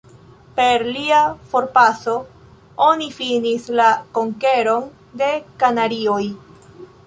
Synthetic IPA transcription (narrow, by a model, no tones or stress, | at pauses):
pe̞ɾliafo̞ɾpaso̞ | onifinislakoŋke̞ɾo̞n | de̞kanaɾio̞j